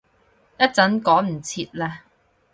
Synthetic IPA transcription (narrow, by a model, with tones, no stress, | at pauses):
jɐ˥t̚t͡sɐ˨˥nkɔː˨˥m̩˨˩t͡sʰiː˧t̚lɛː˧